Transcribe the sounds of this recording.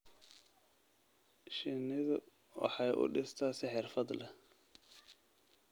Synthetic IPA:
ʃɪnɪðʊ | wɑ̰ħɑjʔʊ̰ɖɪst̪ʰaːsɪħɛrfɐd̪lɛ

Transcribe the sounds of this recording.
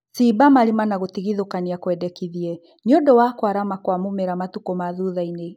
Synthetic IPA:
sibamaɾimanaɣotiɣiðokaniakwɛdɛkiðiɛ | ɲɔdɔwakwaɾamakwamumɛɾamatukɔmaðuðaine

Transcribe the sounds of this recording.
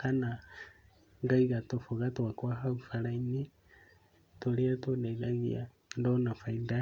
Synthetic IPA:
kana | ŋɡaiɣatofuɣatwakwaɦaufalaini | toliatwoneɣaɣḭa̰ | ndonafainda

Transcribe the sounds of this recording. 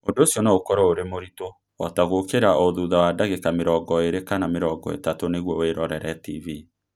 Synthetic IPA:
ondoːsjɔnaokɔɾɔoɾemoɾito | ɔtaɣokeɾaoðuðawadaɣekameɾɔːɡɔeɾekanameɾɔːɡɔ̰ḛtatoneɣwɔweɾɔɾɛɾɛtivi

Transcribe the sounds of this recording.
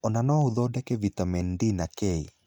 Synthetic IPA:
ɔnanɔuðɔdɛkɛvitamɛndinakei

